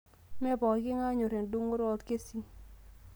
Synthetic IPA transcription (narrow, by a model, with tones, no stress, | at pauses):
mɛ˦bɔ˨ɡɪ˦ŋa˦ɲo˨ɾe˨ŋ˨du˦ŋo˦ɾɔ˦t̪ke˦si˦ŋ